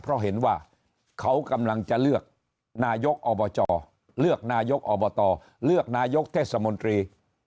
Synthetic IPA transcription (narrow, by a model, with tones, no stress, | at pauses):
pʰɾɔ˦˥ɦe˩˦nwaː˥˩ | kʰa˦˥wka˧mla˧ŋt͡ɕa˨˩lɯ˥˩ək̚ | naː˧jo˦˥k̚ʔɔː˧bɔː˧t͡ɕɔː˧ | lɯ˥˩ək̚naː˧jo˦˥k̚ʔɔː˧bɔː˧t̪ɔː˧ | lɯ˥˩ək̚naː˧jo˦˥k̚t̪ʰeː˥˩t̪̚sa˧mo˧nt̪ɾiː˧